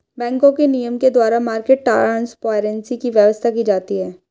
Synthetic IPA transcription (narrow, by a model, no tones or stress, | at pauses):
bɛ̃ːŋkõkenijəmked̪waːɾamaːɾkeːʈ̚ʈa̰ːɾanspaːɾɛ̃nsikiʋjəʋəst̪ʰakiːd͡ʒaːt̪iɦɛː